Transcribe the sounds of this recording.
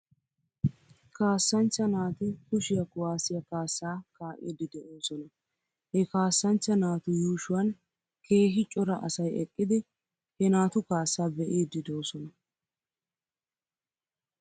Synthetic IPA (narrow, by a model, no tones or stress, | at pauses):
kaːsːɐnt͡ʃːɐnaːt̪ɪkʊʃɪjɐkʊwaːsɪjɐkaːsːaːkaːʔḛːd̪ːɪd̪ɛʔoːsɔnɐ | hɛkaːsːɐnt͡ʃːɐnaːt̪ʊjuːʃʊwɐn | kʰe̞ːɦɪt͡ʃʼɔɾɐʔɐsɐjɛkʼːɪd̪ɪ | hɛnaːt̪ʊkaːsːaːbɛʔeːd̪ːɪd̪o̞ːsɔnɐ